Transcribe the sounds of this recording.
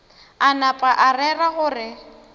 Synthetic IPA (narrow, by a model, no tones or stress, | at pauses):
anapʼaʔarɛraɣʊːrɪ